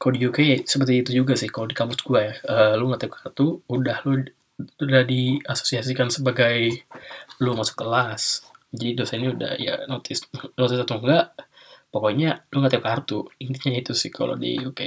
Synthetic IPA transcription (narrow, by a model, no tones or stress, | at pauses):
kalodijukesəpərt̪iːt̪ud͡ʒuɡasɪhkalodikampʊsɡuajaəluŋɡat̪aukart̪uudahlu | udahdiaso̥siasikansəbaɡaj | lumasʊ̥kːəlasd͡ʒadidosainiuda̰hja̰not̪ʰɪsnot̪ɪsat̪uŋɡaʔ | pokoɲaluŋat̪aukart̪uint̪iɲait̪usɪhkʰa̰lo̰dḭjuke